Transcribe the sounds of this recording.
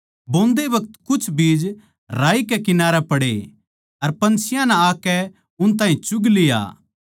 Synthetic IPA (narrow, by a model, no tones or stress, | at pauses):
bõːnd̪eʋɐk̚t̪kʊt͡ʃʰbiːd͡ʒ | ɾaːikɛkɪnaːɾɛpɐɽḛ | ɐɾpɐ̃nt͡ʃʰɪjãnɛaːkɛ | ʊnt̪̬ãːɦĩt͡ʃʊɡlɪja̰ː